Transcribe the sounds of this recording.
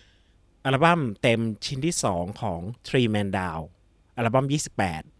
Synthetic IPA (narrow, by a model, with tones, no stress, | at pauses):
ʔa˧la˧˩ba˥˩mt̪e˧mt͡ɕʰi˦˥nt̪ʰiː˥˩sɔː˩˦ŋkʰɔː˩˦ŋt̪ʰɾiː˧mɛː˧ndaː˧w | ʔa˧la˧ba˥˩˨mjiː˥˩si˨˩pːɛ̰ː˨˩t̪̚